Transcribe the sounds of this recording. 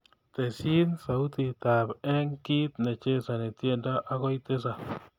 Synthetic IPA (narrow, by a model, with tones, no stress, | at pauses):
t̪e˨si˦nsa˨u˦t̪i˨t̪a˨bɛ˦ŋki˦t̪ne˨t͡ʃe˦sa˨ne˨t̪je˦˨nda˦ʔa˦ɣɔ˦jt̪e˦s̬a˨